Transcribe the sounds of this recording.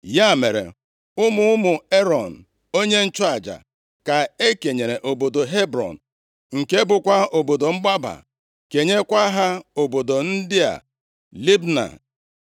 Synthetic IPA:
ja˦˨me˨ɾḛ˨ | ʊ˦mʊ˦ʊ˦mʊ˨e˦ɾɔ˨n̩˨ | o˦ɲe˦n̩˦t͡ʃʊ˦a˨d͡ʒa̰˨ | ka˨e˦ke˨ɲe˨ɾe˨ʔo˨bo˨do˨ɦe˦bɾɔ̰˨n̩˨ | ŋ̩˨ke˦bʊ˦kʷa˦o˨bo˨do˨ŋ͡m̩˦ɡ͡ba˦ba̰˨ | ke˨ɲe˦kʷa˦ɦa˦o˨bo˨do˨n̩˦dɪ˦a̰˨ | li˦bna̰˨

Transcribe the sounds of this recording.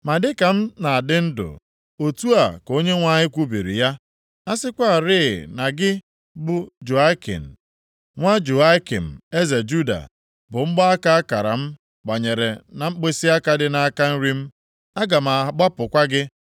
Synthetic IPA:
ma˨dɪ˦ka˨m̩˦na˨a˨dɪ˦n̩˦dʊ̰˨ | o˨tu˦a˨ko˦ɲe˦ŋʷa˦ɲɪ˦kʷu˦bi˨ɾḭ˨ja˦ | a˦sɪ˦kʷa˦˨ɾɪː˦˨na˨ɡɪ˦ | bʊ˦d͡ʒu˨a˦kḛ˨n̩˨ | ŋʷa˦d͡ʒu˨a˦kḛ˨m̩˨e˦ze˨d͡ʒu˦da̰˨ | bʊ˨ŋ͡m̩˦ɡ͡ba˦a˦ka˦a˦ka˨ɾa̰˨m̩˦ | ɡ͡ba˨ɲe˨ɾe˨na˨ŋ͡m̩˦k͡pe˦si˦a˦ka˦dɪ˦na˨a˦ka˦n̩˦ɾi˦m̩˦ | a˦ɡa˨m̩˨a˨ɡ͡ba˦pʊ˨kʷa˦ɡɪ˦

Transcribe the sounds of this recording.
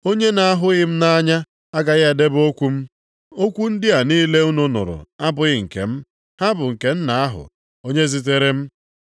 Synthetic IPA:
o˦ɲe˦na˨a˦ɦʊ˦ɣɪ˦m̩˦na˦ɲa˦ | a˦ɡa˨ɣe˨de˦bo˦kʷu˦m̩˦ | o˦kʷu˦n̩˦dɪ˦a˨niː˦le˦u˦nʊ˦nʊ̰˨ɾʊ̰˨a˦bʊ˨ɣɪ˦ŋ̩˨kḛ˨m̩˦ | ha˦bʊ˨ŋ̩˨ke˨n̩˦na˨a˦ɦʊ̰˨ | o˦ɲe˦zi˦t̬e˦ɾe˦m̩˦

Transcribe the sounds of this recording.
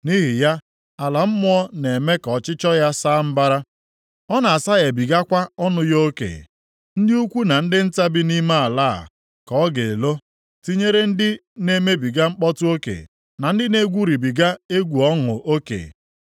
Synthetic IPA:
ni˦ɦi˨ja˦ | a˨la˨m̩˦mʊ˦ɔ˦ne˨me˦kɔ˨t͡ʃɪ˦t͡ʃɔ˦ja˦saː˦m̩˦ba˦ɾa˦ | ɔ˦na˨a˨sa˦ɣe˨bi˨ɡa˦kʷa˦ɔ˦nʊ˦jo˦kḛ˨ | n̩˦dɪ˦u˦kʷu˦na˨n̩˦dɪ˦n̩˦ta˦bɪ˦ni˦ma˦a˨la̰ː˦˨ | kɔ˨ɔ˦ɡe˨lo˦ | ti˦ɲe˦ɾe˦n̩˦dɪ˦ne˦me˦bi˨ɡa˦ŋ͡m̩˦k͡pɔ˦tʊ˦o˦kḛ˨ | na˨n̩˦dɪ˦ne˦ɡʷu˦ɾi˨bi˨ɡa˦e˦ɡʷu˨ɔ˦ŋʊ˨ʔo˦kḛ˨

